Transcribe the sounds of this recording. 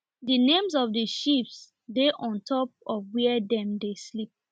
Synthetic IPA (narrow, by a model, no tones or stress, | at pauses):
dənẽmzɔvdəʃips | deʔɔ̃ntʰɔpɔvwɛdɛ̃mdeslip̚